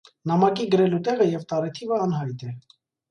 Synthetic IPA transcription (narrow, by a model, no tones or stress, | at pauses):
nɑmɑkiɡəɾɛlut̪ɛʁəjɛvt̪ɑɾɛt̪ʰivəɑnɦɑjt̪ɛ